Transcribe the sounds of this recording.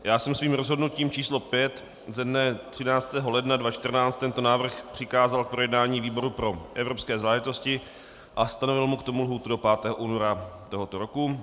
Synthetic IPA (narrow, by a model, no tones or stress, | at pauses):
jaːsɛmsviːmɾozɦo̞dnuciːmt͡ʃiːslo̞pjɛt̪ | zɛdnɛt̪r̥ɪnaːt͡st̪ɛːɦo̞lɛdnadvat͡ʃt̪rnaːt͡st̪ɛnt̪o̞naːvr̩xpr̝̥ɪkaːzalk̚pɾo̞jɛdnaːɲiːviːbo̞ɾupɾo̞ʔɛvɾopskɛːzaːlɛʒɪt̪o̞scɪ | ʔast̪ano̞vɪlmukt̪o̞mulɦuːt̪udo̞paːt̪ɛːɦoʔuːno̞ɾat̪o̞ɦo̞t̪o̞ɾo̞ku